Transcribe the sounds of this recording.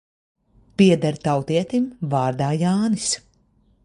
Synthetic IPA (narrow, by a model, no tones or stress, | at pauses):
piɛd̪aɾt̪awt̪iɛt̪imvaːɾd̪aːjaːnis